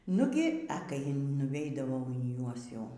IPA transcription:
ˈnʊɡʲɪ ɛ ˈkɐɪ nʊˈʋʲɛɪdɐʋɐʊ iː ˈjuɔs ˈjɛʊ

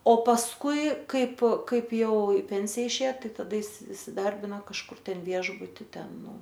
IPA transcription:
oː pɐsˈkʊɪ ˈkɐɪp ˈkɐɪp ˈjɛʊ ɪ ˈpʲɛnʲsʲɪjɛ ɪʃʲˈeːjɛ tɐˈdɐ ɪs ɪsʲɪˈdɐrʲbʲɪnoː kɐʃˈkʊr ˈtʲɛnʲˈʋʲiɛʒbʊtʲɪ ˈtʲɛn ˈnʊ

